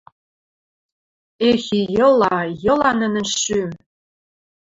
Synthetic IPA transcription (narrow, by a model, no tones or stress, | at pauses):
exijɤ̆lɑjɤ̆lɑnə̆nɘ̆nʃːym